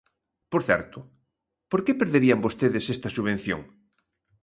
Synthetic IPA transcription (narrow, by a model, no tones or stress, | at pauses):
poɾθɛ̰ɾt̪ʊ | poɾkepeɾðeɾiɐmbost̪eðesɛst̪ɐsuβẽn̟θjo̰ŋ